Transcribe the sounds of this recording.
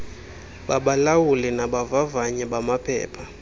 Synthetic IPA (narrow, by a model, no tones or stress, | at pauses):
ɓaɓalawulinaɓavavaɲɛɓamapʰɛ̰ːpʰa